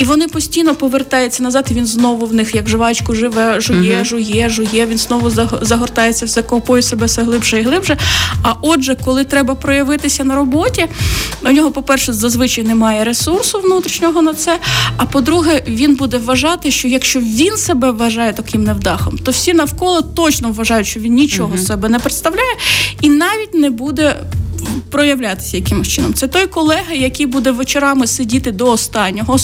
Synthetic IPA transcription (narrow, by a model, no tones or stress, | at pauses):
iʋɔnɪpɔsʲtʲijnɔpɔʋert̪ɑjʊt͡sʲːɐnɐzɑt̪iʋʲinznɔʋʊʋnɪxjɐɡʒɪʋɑt͡ʃkʊʒɪʋɛʒʊjɛʒʊjɛʒʊjɛʋʲinznɔʋʊzzɐɦɔrt̪ɑjet͡sʲːɐwsɛkpɔjʊsɛbɛsɛɦlˠɪbʒɛiɦlˠɪbʒɛɐʔɔʒɛkɔlˠɪt̪ɾɛbɐpɾɔjɐʋɪt̪ɪsʲɐnɐɾɔbɔtʲiɔnʲɔɦɔpɔpɛrʃɛzɐzʋɪt͡ʃɐjnɛmɑjɛɾesursʊʋnut̪ɾʲiʃnʲɔɦɔnɐt̪sɛɐpɔd̪ɾuɦɛʋʲinbud̪ɛʋːɐʒɑt̪ɪʃt͡ʃɔjɐkʃt͡ʃɔʋʲinsɛbɛʋɐʒɑjɛt̪ɐkɪmnɛwd̪ɑxɔmt̪ɔwsʲinɐwkɔlˠɔt̪ɔt͡ʃnɔʋʋɐʒɑjʊtʃt͡ʃɔʋʲinnʲit͡ʃɔɦɔsɛbɛnɛpɾɪt̪st̪ɐwlʲajɛinɑʋʲitʲnɛbud̪ɛ | pɾɔjɐʋlʲat̪ɪ̥sʲɐjɐkɪmʃt͡ʃɪnɔmt̪sɛt̪ɔjkɔlˠɛɦɐjɐkʲijbud̪ɛʋet͡ʃeɾɑmɪsɪdʲit̪ɪd̪ɔːst̪ɑnʲːɔɦɔ